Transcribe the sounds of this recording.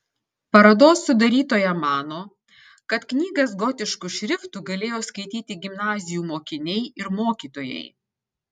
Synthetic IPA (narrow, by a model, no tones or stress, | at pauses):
pɐɾɐd̪oːsːʊd̪ɐɾʲiːt̪oːjɛmɑːnoː | kɐt̪knʲiːɡɐsɡɔt̪ʲɪʃkuʃʲɾʲɪft̪uːɡɐlʲeːjoːskɐɪt̪ʲiːt̪ʲɪɡʲɪmnɑːzʲɪjuːmoːkʲɪnʲɛɪɪɾmoːkʲiːt̪oːjɛ̰ɪ